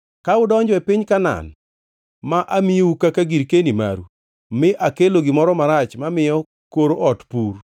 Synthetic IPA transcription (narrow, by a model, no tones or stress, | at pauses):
kaʊdɔɲd͡ʒwɛpɪɲkana̰n | maʔamioukakaɡiɾkenima̰ɾṵ | mɪʔakeloɡɪmɔɾɔmaɾat͡ʃmamɪjɔ | koɾoʔɔtpur